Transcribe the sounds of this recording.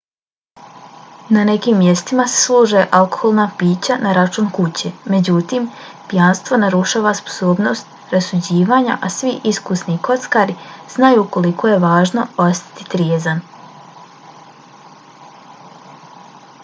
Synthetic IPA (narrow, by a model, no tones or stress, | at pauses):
nane̞kimːje̞st̪imase̥slˠuːʒeʔalkoxolˠnaːpiːt͡ɕanaɾat͡ʃuːnkut͡ɕeme̞d͡ʑut̪im | pjanst̪ʋo̞naɾuʃaːʋaspo̥soːbno̞st̪̚ | ɾasud͡ʑiːʋaːɲa̰ʔasʋiʔiskusniko̞t̪skaːɾiz̥najuːko̞likʰo̞je̞ʋaːʒno̞o̞st̪ḁt̪i̥t̪ɾjeːzan